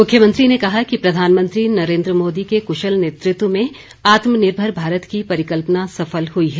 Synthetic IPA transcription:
mʊkʰjəmɐ̃nt̪ɾinekɐɦakipɾɐd̪ʱaːnmə̃nt̪ɾinɐɾẽːnd̪ɾəmoːd̪ikekʊʃəlneːt̪ɾɪt̪wəmẽ | aːt̪mənɪɾbʱəɾbʱaːɾət̪kipɐɾɪkəlpənasɐfəlɦuiɦɛː

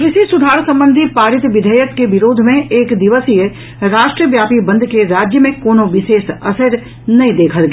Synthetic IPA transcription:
ɾɪsisʊd̪ʱaːɾsɐ̃mbə̃nd̪ʱipaːɾɪt̪ʋɪd̪ʱəjəkːeʋɪɾoːd̪ʱmẽeːkd̪ɪʋəsije | ɾaːʃʈɾəʋjaːpibɐ̃nd̪ʱkeɾaːd͡ʒjəmẽkoːnõʋɪʃeːsɐsəɾ | nɐɦĩd̪eːkʰəlɡ

